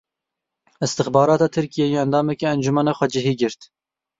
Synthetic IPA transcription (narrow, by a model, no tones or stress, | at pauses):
ɨst̪ɨxbɑːɾɑːt̪ɑːt̪ʰɨɾkijejeɛnd̪ɑːmɛkeɛnd͡ʒumɛnɑːxʷɛd͡ʒɪɦiːɡɪɾt̪